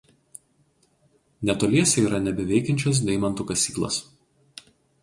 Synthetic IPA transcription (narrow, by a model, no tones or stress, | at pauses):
nʲɛt̪oːlʲiɛsʲɛiːɾɐnʲɛbʲɪʋʲɛɪkʲɛnʲt͡ʃʲoːs̬d̪ʲɛɪmɐnt̪ukɐsʲiːklˠo̰ːs